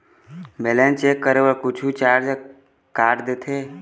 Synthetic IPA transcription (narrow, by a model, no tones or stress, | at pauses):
meːlɛːnt͡ʃeːkːəɾeːwəɾkʊt͡ʃʰut͡ʃaːɾd͡ʒ | kaːʈd̪eːt̪ʰeː